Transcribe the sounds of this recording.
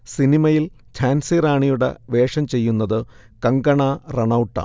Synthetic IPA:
sinimɐjil | t͡ɕʰaːnsiːɾaːɳijuɽḛʋe̞ːʂɐmt͡ɕe̞jːunːɐðɨ | kɐŋɡɐɳareɳɐwʈːɐ̰

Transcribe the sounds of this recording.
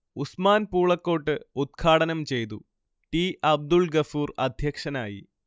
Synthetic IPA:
usmaːnpuːɭɐkːo̞ːʈːɨud̪̚kʰaːɽɐnɐmt͡ɕe̞jt̪̬u | ʈiːʔɐb̚d̪uɭɡɐfuːrɐd̪ʱjɐkʂɐnaːjḭ

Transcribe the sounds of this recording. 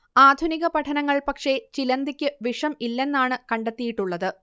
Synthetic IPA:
aːd̪ʱuniɣɐpɐʈʰɐnɐŋːɐɭpɐkʂe̞t͡ɕilɐnd̪ikʲːɨʋiʂɐmilːe̞nːaːɳɨkɐɳɖet̪ːijiʈːuɭːɐðɨ

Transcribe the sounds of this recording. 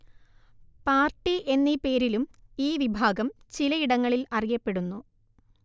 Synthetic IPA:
paːrʈːiʔe̞nːipe̞ːɾilumiːʋibʱaːɡɐmt͡ɕilɐiɽɐŋːɐɭilɐrijɐpːe̞ɽunːu

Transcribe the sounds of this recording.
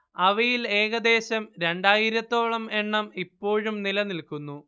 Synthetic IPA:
ɐʋɐjile̞ːɣɐd̪e̞ːɕɐmɾe̞ɳɖaːjiɾɐt̪ːo̞ːɭɐme̞ɳːɐmipːo̞ːɻumnilɐnilkunːu

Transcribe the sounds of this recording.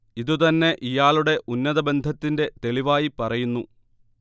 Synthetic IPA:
iðut̪ɐnːe̞ʔijaːɭuɽe̞ʔunːɐðɐbe̞nd̪ʱɐt̪ːinde̞t̪e̞liʋaːjipɐrɐjunːu

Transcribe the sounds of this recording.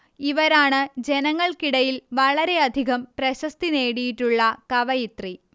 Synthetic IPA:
iʋɐɾaːɳɨd͡ʑe̞nɐŋːɐɭkiɽɐjilʋɐɭɐɾe̞ɐd̪ʱiɣɐmprɐɕɐst̪ine̞ːɽijiʈːuɭːɐkɐʋɐjit̪ri

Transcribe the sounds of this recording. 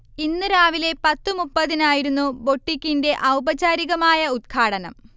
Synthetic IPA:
inːɨɾaːʋile̞pɐt̪ːɨmupːɐðinaːjiɾunːubo̞ʈːikʲːinde̞ʔɐwbɐt͡ɕaːɾiɣɐmaːjɐud̪̚kʰaːɽɐnɐ̰m

